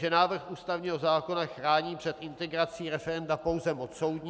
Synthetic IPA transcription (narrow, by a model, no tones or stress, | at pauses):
ʒɛnaːvr̩xʔuːst̪avɲiːɦozaːko̞naxɾaːɲiːpr̝̥ɛt̪ʔɪnt̪ɛɡɾat͡siːɾɛfɛɾɛndapo̞wzɛmot͡ssowd̪ɲː